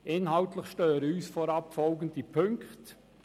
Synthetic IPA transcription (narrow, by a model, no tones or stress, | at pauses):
ʔɪnɦɑʊtlɪχʃtøːɾəyːsfoːɾɑpfɔlɡən̩tipʰʏŋkt